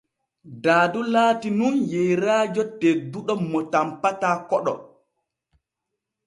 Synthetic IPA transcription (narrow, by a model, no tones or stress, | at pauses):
daːdulaːtinunjɛjɾaːd͡ʒɔteduɗɔmɔtampatakɔɗɔ̰